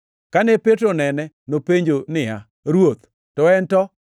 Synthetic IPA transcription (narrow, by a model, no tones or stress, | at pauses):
kanɛpetɾonɛnɛ | nopeɲd͡ʒonɪa | ɾwot̪ | tɔɛntɔ